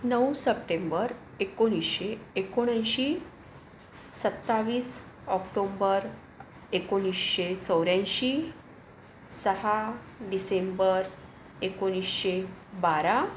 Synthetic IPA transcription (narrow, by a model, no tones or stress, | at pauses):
nəwsəp̚ʈembəɾ | ekoɽ̃isɕeːkoɽ̃ãjɕiː | sət̪ːaʋiːs | ɔkʈombəɾ | ekoɽ̃isɕet͡səwɾjãnɕiː | səɦa | ɖisembəɾ | ekoɽ̃isɕebaɾa